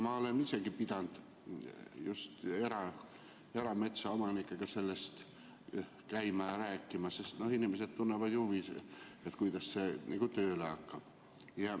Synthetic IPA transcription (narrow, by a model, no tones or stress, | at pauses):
mɑolenisekipid̪ɑnd̪̥ | just̪e̞ɾɑ | e̞ɾɑme̞t̪sɑomɑnikːeɡ̥ɑse̞lːest̪ | kæimɑjɑræːkːimɑsest̪nohinimeset̪t̪unːevɑd̪̥juʋiset̪kujd̪ɑssenḭːkut̪øːleɑkːɑb̥ | jɑ